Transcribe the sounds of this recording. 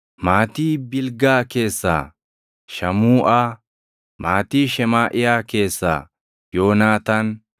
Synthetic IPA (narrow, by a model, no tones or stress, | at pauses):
maːt̪iːbɪlɡaːke̞ːsːa̰ː | ʃɐmuːʔaː | maːt̪iːʃɛmaːʔɪjaːke̞ːsːa̰ː | jo̞ːnaːt̪ɐn